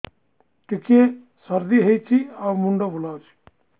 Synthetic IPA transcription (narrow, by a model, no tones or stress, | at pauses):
ʈike | sʌɾd̪iɦejt͡ʃʰiawmuɳɖobulawt͡ʃʰi̥